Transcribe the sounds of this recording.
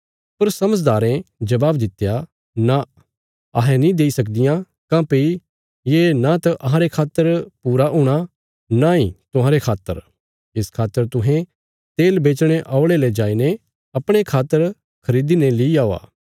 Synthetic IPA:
pɐɾsɐməd͡ʒd̪aːɾẽd͡ʒɐbaːbd̪ɪt̪ːja | na | ɐɦẽnĩd̪eːisɐk̬̚d̪ɪjã | kãpei | jenãt̪ɐʔɐɦãɾekʰaːt̪ːəɾpuːɾaʔũːɽ̃a | naĩt̪ʊɦãːɾekʰaːt̪ːə̰ɾ | ɪskʰaːt̪ːəɾt̪ʊɦẽ | t̪eːlbeːt͡ʃɽ̃eʔaːʊɽeled͡ʒaːine | ɐpɽ̃ekʰaːt̪əɾ | kʰɐɾiːd̪inelɪiaːoa̰ː

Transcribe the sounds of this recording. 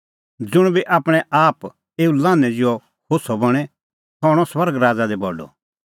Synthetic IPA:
d͡zʊɽ̃biʔaːpɽ̃ɛʔaːp | eːulaːnɛd͡zɪɔ | kʰosɔbɐɽ̃ɛ | t̪ʰɔːɽ̃ɔswɐɾɡɾaːd͡zad̪ɛbɔɖɔ̰

